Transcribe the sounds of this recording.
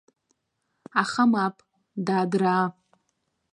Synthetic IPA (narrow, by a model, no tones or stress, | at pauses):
aχamapʼ | daːdraː